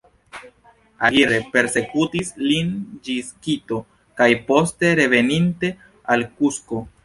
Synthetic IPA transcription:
aliɾe̞pe̞ɾse̞kutislind͡ʒiskito̞ | kajpo̞ste̞ɾe̞ve̞ninte̞ | alkusko̞

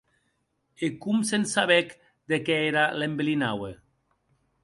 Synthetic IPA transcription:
ekumsensaβɛk | d̪ekɛeɾalembelinawe

